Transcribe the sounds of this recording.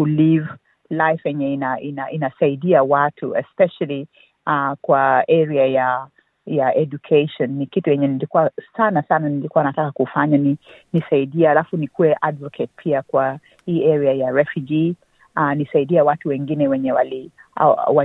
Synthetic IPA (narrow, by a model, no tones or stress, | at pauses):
uliv | lajfjɛɲɛinaʔinaʔinasaiɗiawatʰuɛspɛʃali | akwaɛɾiaja | jaɛd͡ʒukʰeʃɔnːikitujɛɲɛnilikuasanasananilikuanatakakufaɲaninisaiɗiɛhalafunikuwɛʔadvɔkʰɛt̚pʰiakwa | hiːʔɛɾɛajaɹɛfjud͡ʒi | anisaiɗiawatuwɛŋɡinɛwɛɲɛwalḭ | wa